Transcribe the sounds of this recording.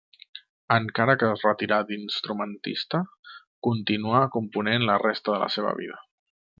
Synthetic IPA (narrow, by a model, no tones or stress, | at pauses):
əŋkaɾəkəzrət̪iɾad̪inst̪ɾumənt̪ḭst̪ə | kunt̪inuakumpunenlərest̪əðələ̰seβ̞ə̰βḭð̞ə